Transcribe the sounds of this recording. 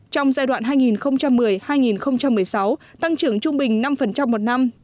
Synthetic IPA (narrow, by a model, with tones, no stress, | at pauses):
t͡ɕɔ˧wŋ͡mzaː˧jɗwa̰ː˧˨nɦaː˧jŋi˨˩nxə˧wŋ͡mt͡ɕa˧mːɨ˨˩əjhaː˧jŋi˨˩nxə˧wŋ͡mt͡ɕa˧mːɨ˨˩əjsa˨˦wt̪a˧ŋt͡ɕɨ˧˩əŋt͡ɕʊ˧ŋ͡mɓï˨˩ŋ̟na˧mfə˨˩nt͡ɕa˧mːo˨˩t̚na˧m